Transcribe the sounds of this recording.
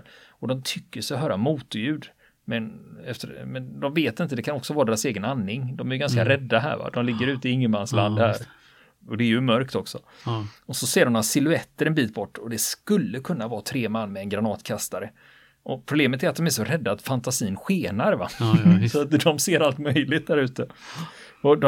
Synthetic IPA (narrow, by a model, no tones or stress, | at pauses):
ɔd̪ɔmt̪ʰʏkːəʂɛɔɦœːɾamuːt̪ʊjʉ̟ːd̪ | mɛnɛft̪əmɛnd̪ɔmveːt̪ɪnt̪əd̪ɛkʰanɔksɔvɑːɾad̪eːɾaseːɡənanːɪŋd̪ɔmæɾjɵɡanskaɾɛd̪ːaɦæ̰ːɾva̰d̪ɔmlɪɡːəɾʉ̟ːt̪əɪɪŋːəmansla̰nd̪hæːɾ | ɔd̪ɛːɾjɵmœɾkt̪ɔksɔɔsɔseːɾɔmat̪sɪlʉɛt̪ːəɾɛnbiːt̪bɔʈːɔd̪ɛskɵlːəkʰɵnːavɑːt̪ʰɾeːmanːmɛɛnɡɾanɑːt̪kʰast̪aɾə | ʔɔpʰɾʊbleːmət̪æɾat̪̚d̪ɔmæʂɔɾɛd̪ːaːt̪fant̪asiːnɧeːnaɾva̰sɔat̪d̪ɔmseːɾalt̪mœjlɪt̪̚d̪æːɾʉ̟ːt̪ə | ɔd̪ɔ